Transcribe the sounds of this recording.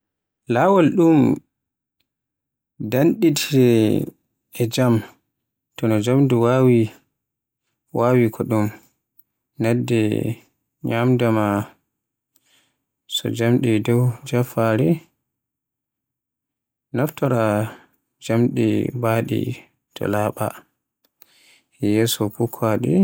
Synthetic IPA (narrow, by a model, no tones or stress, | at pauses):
lawɔlɗum | danɗitʰiɾɛ | ɛd͡ʒam | tɔnɔd͡ʒamduwawi | wʔawikʰɔɗum | nɛdːɛ̰ | ɲamdama | sɔ̰d͡ʒamɗidɔwd͡ʒafaɾi | naftɔɾa | d͡ʒamɗḭbaːɗḭ | tʰɔ̰laːɓa̰ | ɛjɛːsɔpukʰːaɗḭ